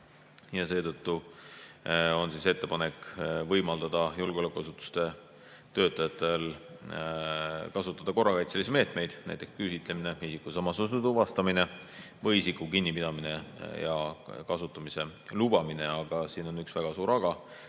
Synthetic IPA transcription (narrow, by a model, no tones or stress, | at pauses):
jɑse̞ːt̪ɤ̞t̪ːu | o̞nsiːse̞t̪ːe̞pɑne̞kvɤjmɑld̪̥ɑd̪̥ɑjulɡeolekːˑuɑsut̪ːˑu̥st̪e̞ | t̪ø̞ːt̪ːˑɑjɑt̪ːˑe̞l | kɑsut̪ːˑɑd̪̥ɑko̞rːɑkɑjt̪selisimeːt̪me̞jd̪̥næ̰jt̪ˑekskysit̪ˑle̞mine̞isikːˑusɑmːɑsos̬ut̪uvɑst̪ɑmine̞ | vɤjisikːˑukinʲːipid̪̥ɑmine̞jɑkɑsut̪ːˑɑmise̞lub̥ɑmine̞ɑɡ̥ɑsiːno̞nyksvæɡ̥ɑsuːɾɑɡ̥ɑ